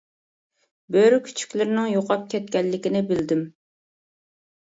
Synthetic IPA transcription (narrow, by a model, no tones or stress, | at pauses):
bøɾkʲʰy̥t͡ʃʰy̥kʲlɪɾnɪŋjoqɑp̚kʲʰɛt̪̚kʲɛlːɪkʲɪnɪbɪld̪ɪm